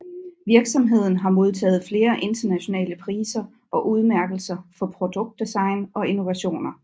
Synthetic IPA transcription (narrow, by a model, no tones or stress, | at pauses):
ʋiɐɡ̥sɒ̽mɦe̝ð̞̰ˠn̩ɦɑ̈mo̝ð̞ˠt͡sʰɛ̰ːð̞̩ˠfle̝ːɐʔe̝nd̥ɐnæɕo̝nɛ̰ːləpʰʁiːsɐ | ʔɒ̽ʔuð̞ˠmæɐɡ̥l̩sɐfɒ̽pʰʁod̥ɔ̽ɡ̥̚d̥esɑ̈ɪnɒ̽i̝no̝ʋæɕo̝̰ːnɐ